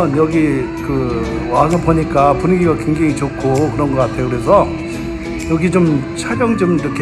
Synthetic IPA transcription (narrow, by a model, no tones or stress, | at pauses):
ʌnjʌɡi | kɯ | wasaboɲik͈apuniɡiɡakweŋd͡ʑeŋit͡ɕokʰokɯɾʌnɡʌk͈atʰe̞jokɯɾe̞sʰʌ | jʌɡit͡ɕom | t͡ɕʰaɾjʌŋd͡ʑomɾʌkʰe